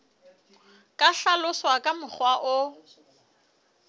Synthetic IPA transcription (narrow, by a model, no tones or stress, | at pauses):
kʼaɬalʊswakʼamʊχwaʔʊ